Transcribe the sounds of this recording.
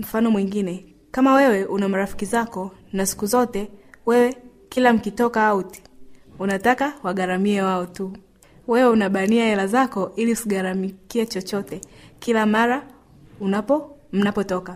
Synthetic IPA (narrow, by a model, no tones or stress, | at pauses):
m̩fanɔmwiŋɡinɛ | kamawɛwɛʔunamaɾafi̥kizakɔ | nasi̥kuzɔtɛwɛwɛ | kilam̩kitɔkaauti̥ | unatakawaɠaɾamiɛwaɔtu | wɛwɛunaɓaniahɛlazakɔʔiliusiɠaɾamikiɛt͡ʃɔt͡ʃɔtɛkilamaɾa | unam̩napɔtɔka